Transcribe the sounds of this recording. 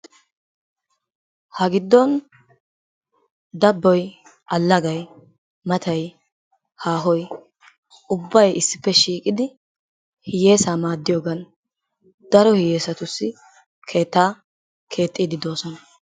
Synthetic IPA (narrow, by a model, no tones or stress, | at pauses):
hɐɡɪd̪ːɔn | d̪ɐbːɔj | ɐlːɐɡɐj | mɐt̪ʰɐj | haːɦɔj | ʊbːɐjɪsːɪpːɛʃiːkʼɪd̪ɪ | hɪje̞ːsaːmaːd̪ːɪjoːɡɐn | d̪̥ɐɾɔhɪje̞ːsɐt̪ʊsːɪ | kʰe̞ːt̪ːaː | kʰe̞ːt̪ʼːiːd̪ɪd̪o̞ːsɔnɐ